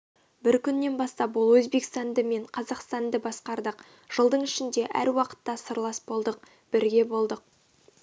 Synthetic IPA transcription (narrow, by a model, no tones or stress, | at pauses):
bɪɾkʲʰʏnːe̞nbɑst̪ɑpwʊlˠwɵzbe̞kst̪ɑnd̪əme̞ɴqʰɑzɑqst̪ɑnd̪əbɑsqɑɾd̪əq | ʒ̥əlˠd̪əɴɪʃɪnd̪e̞ʔæ̰ɾwɑqə̥t̪ːɑsəɾlˠɑsbo̞lˠd̪əq̚ | b̥ɪɾɡʲe̞bo̞lˠd̪əq̚